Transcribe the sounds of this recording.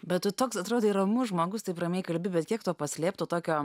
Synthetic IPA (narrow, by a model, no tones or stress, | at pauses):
bʲɛt̪ʊt̪oːksɐt̪ɾoːd̪oɪɾɐmʊʒmoːɡʊst̪ɐɪprɐmʲeɛɪkɐlʲbʲɪbʲɛt̪kʲiɛkt̪uɔpɐsʲlʲeːpt̪oːt̪oːkʲoː